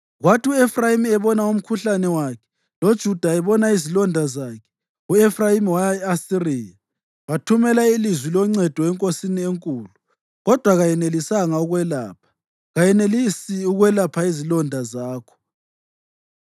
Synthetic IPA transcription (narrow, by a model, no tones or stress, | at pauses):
ɣwatiuɛfrajimiɛβɔnaum̩kʰuɬanɛwakʰɛ̥ | lod̥ʒ̥ʱud̥ʱaɛβɔnaizilɔndʱazakʰɛ̥ | uɛfrajimiwaɛasiriːja | βatʰumɛlailizwilɔŋ͡ǀɛd̥ʱɔɛŋkʼosinieŋkʼuːlu | ɣɔd̥ʱwaɣajɛnelisaŋauɣwɛla̰ːpʰḁ | ɣajɛnelisiuɣwɛlapʰaizilɔndʱazaːkʰɔ̥